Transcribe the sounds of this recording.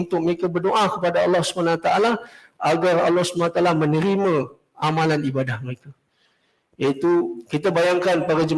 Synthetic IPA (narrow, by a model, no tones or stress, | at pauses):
nt̪ʊk̚məɾekabərdoʔakəpadaɑlːɑhsu̥manaat̪aʔala | aɡarɑ̰lːɔhsəmanat̪alamənəɾimã | amalanibadahməɾeka | jait̪ukit̪abajaŋkanpadad͡ʒəm